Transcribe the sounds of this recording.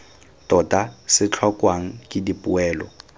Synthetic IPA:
tɔtasɪt͡ɬʰɔkʼwaŋ̩kʼɪdipʼuɛːlɔ̰

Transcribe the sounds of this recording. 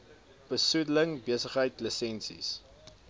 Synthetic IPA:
b̥əsudələŋbiəsəχɦəjtləsɛnsḭs

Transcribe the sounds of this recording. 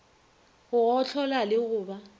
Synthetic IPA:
ɣʊɔt͡ɬʰɔlalɪɣʊːba

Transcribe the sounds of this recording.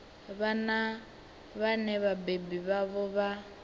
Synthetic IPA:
βana | βanɛβabebiβaβɔβa

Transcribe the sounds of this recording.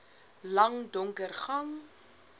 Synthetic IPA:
lɐŋdɔŋkərχɐŋ

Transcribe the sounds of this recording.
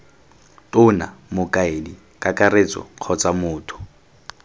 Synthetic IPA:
tʼʊna̰mʊkʼaedi | kʼakʼaret͡sʼɔ̰q͡χʰɔt͡sʼamʊːtʰʊ̥

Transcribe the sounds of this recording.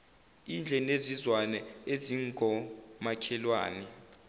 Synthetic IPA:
ind͡ɮʱɛnezizwanɛeziŋɡʱɔmakʰɛlwa̰ːnɛ

